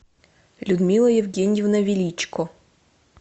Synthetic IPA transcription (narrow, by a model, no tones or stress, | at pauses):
lʲʊd̪mʲilˠəjɪvʲɡʲenʲɪjɪvnɐvʲɪlʲit͡ɕkʊ